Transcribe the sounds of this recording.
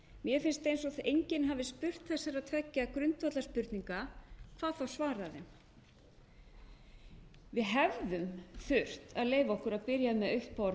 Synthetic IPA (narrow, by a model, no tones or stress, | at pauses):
mjɛfɪnst̪ejnsɔθejɲcɪnɦavɪspʏr̥t̪θɛsaɾaðt̪ʰvɛcːakɾʏnt̪vat̪laspʏɾt̪niŋkakʰv̥aːðθawsvaːɾaðɪ | vɪðɦɛvðʏmθʏr̥t̪aðleːjvaɔhkʏɾaðpɪɾjamɛðœɥht̪paɾ